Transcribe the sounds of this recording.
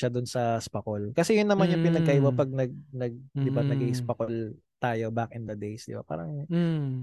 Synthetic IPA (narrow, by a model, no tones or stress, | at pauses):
ʃɐd̪ʊnsɐspɐkolkɐsɛjʊnːɐmanjʊŋpɪnɐɡkːɐʔiwɐpɐɡ̚nɐɡ̚nɐɡ̚d̪ɪbanɐɡiʔspɐkol | t̪aːjo̞bakɪnd̪ɐd̪ejsd̪ɪba̰pa̰ːɾɐŋ